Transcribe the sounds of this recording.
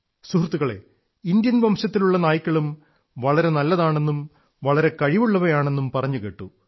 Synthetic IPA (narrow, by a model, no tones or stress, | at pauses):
suhrut̪ːuɣɐɭe̞̰ | ind̪jɐnʋɐmɕɐt̪ːiluɭːɐnaːjikʲːɐɭum | ʋɐɭɐɾe̞nɐlːɐðaːɳe̞nːum | ʋɐɭɐɾe̞kɐɻiʋuɭːɐʋɐjaːɳe̞nːumpɐrɐɲːukeːʈːu